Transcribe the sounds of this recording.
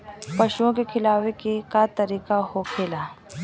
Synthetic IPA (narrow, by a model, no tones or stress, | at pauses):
pɐʃuõkekʰɪlaːʋekekat̪əɾiːkahokʰeːlaː